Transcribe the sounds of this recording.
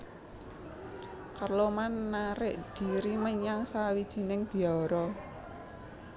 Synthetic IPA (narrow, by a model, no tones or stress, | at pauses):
karlomanːaɾɪʔd̥i̤ɾiməɲaŋsawid̥ʒ̥i̤nɪŋb̥i̤aɔɾɔ